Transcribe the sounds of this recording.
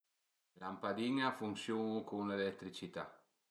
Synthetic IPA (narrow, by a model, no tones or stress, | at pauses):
lampad̪iŋafunsjuːnukʰoŋlelɛt̪ːɾit͡ʃit̪a̰